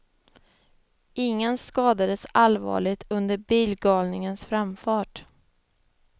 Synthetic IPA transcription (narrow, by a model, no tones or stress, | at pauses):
ʔɪŋːənskɑːd̪ad̪əsalvɑ̰ːɭɪt̪ʰɵnd̪əɾbiːlɡɑːlnɪŋənsfɾamfɑːʈ